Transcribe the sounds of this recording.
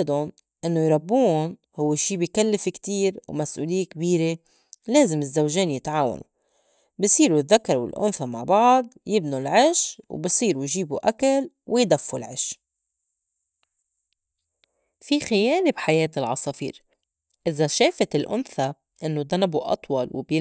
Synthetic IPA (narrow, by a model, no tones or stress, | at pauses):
d̪ʊn | ʔɪnːojɾˤɑbːuːʊn | hʊwːeʃiːbijkalːɪfɪkt̪iːɾwmasʔuːlɪjːekbiːɾe | leːzɪmɪzːawʒeːnjɪt̪ʕaːwa̰nṵ | bisˤiːɾuðːakːɑɾwɪ̰lʔʊ̰nθama̰ʕbɑʕd̪ˤjɪbnulʕɪʃwbisˤiːɾujʒiːbṵʔakal | wɪjd̪afːulʕɪʃ | fixɪjeːlebħajeːt̪ɪlʕɑ̰sˤɑfḭːɾ | ʔɪzaʃeːfat̪ɪlʔʊ̰nθa | ʔɪnːod̪ˤanabuʔɑ̰t̪ˤwɑlwbɪ